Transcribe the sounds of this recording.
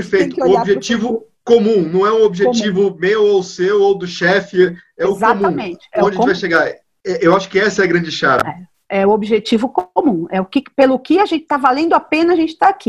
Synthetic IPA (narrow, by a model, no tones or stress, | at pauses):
peɾfejt̪ʊʊobiʒet͡ʃivʊkomũnɐ̃w̃ɛʊobiʒet͡ʃivʊmewowsewowd̪ʊʃɛfɪɛʊzaomũmẽt͡ʃɪ̥õɐt͡ʃd͡ʒvajʃeɡaɾ | ɛʔewaʃʊ̥kɪɛsɐɛɐɡɾɐ̃d͡ʒɪʃaɾɐ̰ɛ | ɛʊobiʒet͡ʃivʊkomũɛʊkɪpelʊkɪaʒẽnt͡ʃɪ̥t̪avalẽnd̪ʊapẽnɐaʒẽnt͡ʃɪ̥t̪aakʰi